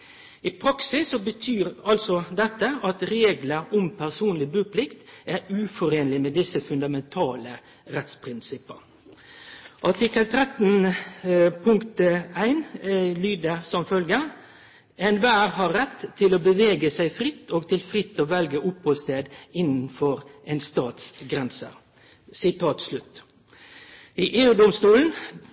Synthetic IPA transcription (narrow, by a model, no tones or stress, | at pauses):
ɪpʰɾɑksɪsːɔbət̪ʰyːɾɑlsɔd̪ɛt̪ːəʔɑt̪ɾeːɡləɾʊmpʰæʁsuːnlɪbʉːpʰlɪkt̪ʔæɾʉːfɔɾeːnlɪmɛːd̪ɪsəfʉnd̪ɑmɛnt̪ʰɑːlə | ɾɛt̪spʰɾɪnsɪpːə | ʔɑʈɪkːəlt̪ʰɾɛt̪n̩ | pʰʊŋkt̪æɪnlyːd̪əsɔmfœlɡə | ɛnʋæːɾhɑɾɛt̪ʰːɪloːbəʋeːɡəsæɪfɾɪt̪ʰːoːɡ̚t̪ʰɪlfʁɪt̪ːoːʋɛlɡəʔʊpːoːst̪eːd̪ɪnn̩fɔɾʔɛnst̪ɑːt̪sɡɾɛnsə | sɪt̪ʰɑːt̪slʉt̪ː | iʔeːʉːd̪ɔmst̪uːln̩